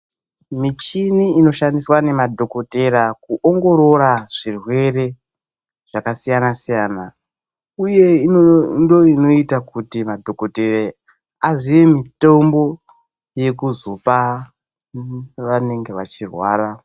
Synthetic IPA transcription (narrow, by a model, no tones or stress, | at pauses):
mit͡ʃiniːno̞ʃandiswane̞madʱo̞ko̞te̞ɾakuʔoŋɡo̞ɾo̞ɾaʐ̥irwe̞re̞ | ʐ̥akasijanasijana | uje̞indoino̞itakutimadʱokotere | aziʋe̞mitombo̞ | je̞kuzopa | ʋane̞ŋɡeʋat͡ʃirwa̰ːra